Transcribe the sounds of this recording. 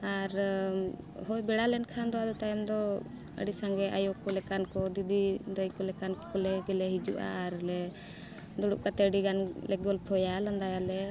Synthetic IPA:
aɾ | hɔjbɛɽalɛnkʰand̪ɔwad̪ɔt̪ajɔmd̪ɔ | ə̰ɽisaŋɡɛʔa̰jɔkɔlɛkankɔd̪id̪id̪ɔjkɔlɛkankɔlɛɡɛlɛɦid͡ʒṵʔa̰ːɾlɛ | d̪ɔɽuʔ̚kat̪ɛɖiɡanlɛɡɔlpʰɔjaland̪ajalɛ

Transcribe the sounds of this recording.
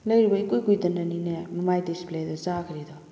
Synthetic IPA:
ləjɾibaikujkujd̪ənaninɛməmajdisplɛd̪ɔzakʰəɾid̪ɔ

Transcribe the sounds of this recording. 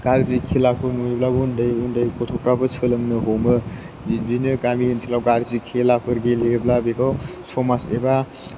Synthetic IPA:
kaɾzikʰelakʰɯnojblabundəjundəjkʰot̪ʰopɾabɯt͡sʰɯlɯŋnɯɦowmɯ | binɯɡaminsʰelawkaɾzikʰelapʰɯɾɡeleblabeɡawsomaseba

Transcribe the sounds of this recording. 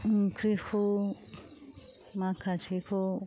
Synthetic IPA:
kɾihu | mãkʰat͡ʃiku

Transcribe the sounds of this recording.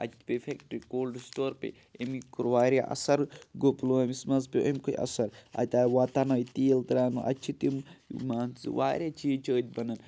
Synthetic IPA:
ɐ̰t͡ʃʰpefʰekʈkoːlɖsʈoːɾpḛ | emikuɾʋaːɾjaʔɐ̰sɐɾɡopluɐmismɐzpʲiʔɐmkojʔɐ̰sɐɾa̰t̪aːʋaːt̪anɐjt̪iːlt̪ɐɾaːnuʔɐ̰t͡ʃʰit̪immaːnt͡sɨ̰ʋaːɾʲat͡ʃʰiːt͡ʃʰəːt̪̚ʲbɐnɐn

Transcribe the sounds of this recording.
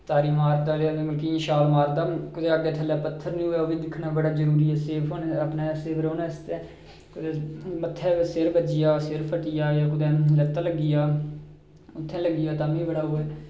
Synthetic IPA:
t̪aːɾiːmaːɾd̪aːlenːmkiːʃaːlmaːɾd̪aːkʊd̪eːaːɡeːʈ̪ʰəlːɛːpət̪ʰːəɾnĩːɦʊːɛːoːbiːd̪ɪkʰnaːbəɽaːzəɾuːɾiɛːseːpʰoːnəpnaːseːʋɾoːnɛːst̪ɛː | kʊd̪eːmət̪ʰːɛːʋseɾbəd͡ʒɪjaːseɾpʰəʈɪjaːjaːkʊd̪ɛ̃ːlət̪aːləɡɪjaː | ʊt̪ʰːɛ̃ːləɡɪjaːt̪aːmĩːbəɽaːɦʊːɛː

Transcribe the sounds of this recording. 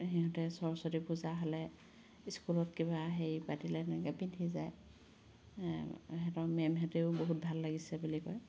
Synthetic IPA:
ɦiɦɔtɛsɔɹɔsɔtipuzaɦɔlɛ | iskulɔtkiβaɦejipatilɛɛnɛkɛpintʰizaj | ɦɛtɔmɛmɦɛteʊboɦut̚bʱalːaɡisɛbulikɔj

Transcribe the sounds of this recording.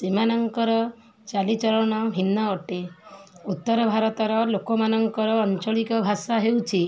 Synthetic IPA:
simanɔŋkɔɾɔ | t͡ʃalit͡ʃɔɾɔɽ̃ɔbʱinːaɔʈeut̪ːɔɾɔbʱaɾɔt̪ɔɾɔlokɔmanɔŋkɔɾɔːnt͡ʃɔɭikɔbʱasaɦewt͡ʃʰi

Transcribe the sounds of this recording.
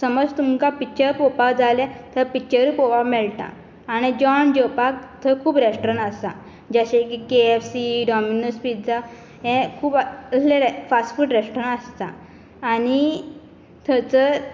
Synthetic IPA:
səməd͡zt̪uŋkapit͡ɕəɾpopad͡zalɛ̃t̪ʰəpit͡ɕəɾpopamɛɭʈ̪ã̰ː | ɽ̃id͡ʑɔnd͡ʑopakt̪ʰəkʰuːbɾesʈɾəɳast̪ã̰ | d͡ʑaɕẽkikeefsiɖɔminuspiʈ̚d͡za | ɦɛ̃kʰuːbəslẽɾfasʈfuʈɾesʈɾəɳəst̪ã̰ː | ñi | t̪ʰət͡sə

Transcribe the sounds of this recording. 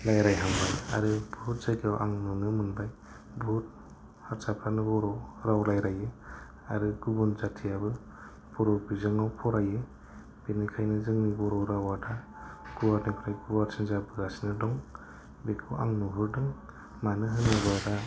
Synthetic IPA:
lajɾajɦaŋbaja̰ɾɯbʱut̚z̥ajkiawʔaŋnunɯmɯnbaj | bʱut̚ | haɾsapʰɾanɯbɔɾɔɾawlajɾajɯ | a̰ɾɯɡubunzatʰijabɯ | b̥ɔɾɔbizɯŋawpʰɔɾaje | b̥enɯkʰajnɯzɯŋnibɔɾɔɾawada | ɡ̥uwaɾnipʰɯɾajɡubaɾsinzabɯɡasinɯdɔŋ | bekʰɯwa̰ŋnuɦɯɾdɯŋ | manɯɦɯnɯbaɾa

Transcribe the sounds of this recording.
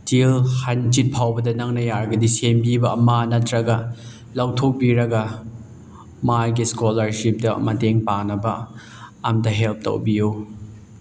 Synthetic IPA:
tilhant͡ʃit̚pʰawbɐdɐnɐŋnɐjaɾɡɐdisembibɐːmanɐtɾɐɡɐ | lawtʰok̚biɾɐɡɐ | majɡiskolɐɾsip̚dɐ̰mɐteŋpaŋnɐbɐ | ɐmdɐɦelp̚tɐ̰wbiju

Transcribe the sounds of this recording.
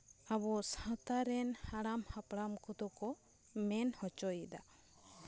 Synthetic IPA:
abɔsãt̪aɾɛnhaɽamhapɽamkut̪ɔkɔ | mɛnhɔt͡ʃɔjid̪a

